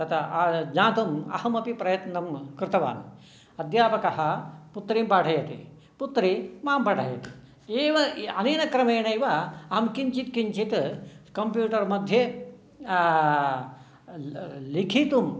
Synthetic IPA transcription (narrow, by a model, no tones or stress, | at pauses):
t̪ɐt̪ɐd͡ʒãːt̪umɐ̰hɐmɐpipɾɐjɐt̪nɐmkɾɪt̪ɐʋa̰ːn | ɐd̪jaːpɐkɐɦɐput̪ːɾiːmpaːʈʰɐjɐt̪ḭ | put̪ːɾimaːmpaːʈʰɐjɐt̪i̥ | eːʋɐɐneːnɐkɾɐmeːɳɐjʋaɐɦɐmkiɲt͡ʃit̪kiɲt͡ʃit̪kɐmpjuːʈɐɾmɐd̪ʱje | likʰiːt̪um